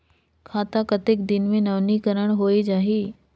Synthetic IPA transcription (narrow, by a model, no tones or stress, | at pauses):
kʰaːt̪akɐt̪ɪkd̪ɪnmẽnɐʋnikəɾəɽ̃ɦoːid͡ʒaːɦiː